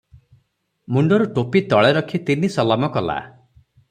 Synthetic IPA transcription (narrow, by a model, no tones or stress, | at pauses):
muɳɖɔɾuʈopit̪ɔɭeɾɔkʰit̪inisɔlamɔkɔla̰